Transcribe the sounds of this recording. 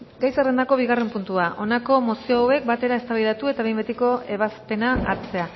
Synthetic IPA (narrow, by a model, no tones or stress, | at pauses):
ɡajsere̞nd̪ako̞β̞iɣare̞mpunt̪uaʔo̞nako̞mosioawe̞k̚bat̪e̞ɾae̞st̪aβajðat̪ue̞t̪aβe̞jmbet̪iko̞e̞βaspe̞naa̰ɾt͡se̞a